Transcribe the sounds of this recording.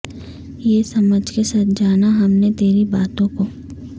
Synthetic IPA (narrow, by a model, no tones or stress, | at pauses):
jeːsɐməd͡ʒʱkesat̪d͡ʒaːnaɦɐmnet̪eːɾibaːt̪õko